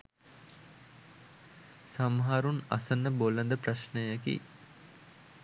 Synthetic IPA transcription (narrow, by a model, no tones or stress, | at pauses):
samɦaːɾuna̰sənːəbolənd̪əpraʃnəjakḭ